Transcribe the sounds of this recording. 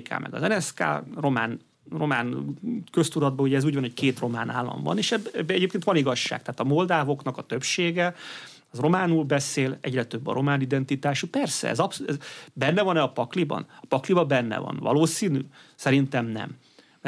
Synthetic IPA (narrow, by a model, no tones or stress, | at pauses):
kʰa̰ːmʔɛ̰ɡɒ̰zɛnɛska̰ːro̞maːn | ro̞maːnkøst̪uɾɒd̪̚bɒuɟɛzuːɟvɒnhockeːt̪ro̞maːna̰ːlːɒ̰ɱvɒ̰neːʃɛbbːɛɛɟeːpkeːnt̪ʋɒniɡɒʃːa̰ːk̚t̪ɛɦːt̪ɒmold̪aːvo̞knɒkɒt̪ø̞pʃeːɡɛ | ɒro̞maːnuːlbɛseːlɛɟrɛt̪øbːɒ̰ɾo̞maːnid̪ɛnt̪it̪aːʃupɛrsɛ̰ɛ̰zɒpsɛbɛnːɛvɒnɛɒpɒklibɒ̰nɒpɒklibɒbɛnːɛ̰vɒ̰nvɒ̰loːsiːnysɛɾint̪ɛmnɛ̰m